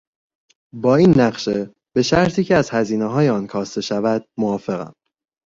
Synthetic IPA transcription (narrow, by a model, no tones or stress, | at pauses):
bɒːiːnːæɢʃe | b̥e̞ʃæɾt̪ʰiːcʰeæz̥hæziːneɦɒːjeɒːnkʰɒːst̪e̞ʃævæd̪̥̚moɒːfe̞ɣæ̰m